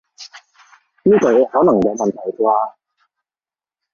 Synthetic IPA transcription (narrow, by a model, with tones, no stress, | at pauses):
niː˥k̪ɔ˨˩jhɔː˨˥nɐ˨˩ŋja˨˧wmɐ˨nt̪ʰa˨˩jkwaː˧